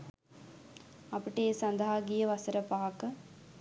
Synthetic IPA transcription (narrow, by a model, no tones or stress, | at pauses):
ɐpiʈəeːsɐnd̪ɐɦaɡijəʋɐsəɾəpaːakə